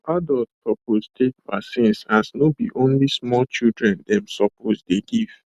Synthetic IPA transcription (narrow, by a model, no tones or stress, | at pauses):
ʔadɔlt̚pɹɔpostʰet̚pasɪ̃nshasnobiʔõnlismɔlt͡ʃildɹɛ̃ndɛ̃msɔpʰosdeɡiv̥